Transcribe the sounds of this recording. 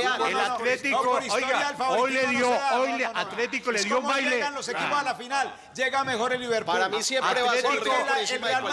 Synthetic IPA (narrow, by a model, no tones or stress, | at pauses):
elalet̪ikoiojɡalfaojleðjoojleat̪le̞t̪ikoleðjomajleanlosekiposalafinal | d͡ʒeɣamexo̞ɾelːiβeɾpaɾamisjeaealet̪ioma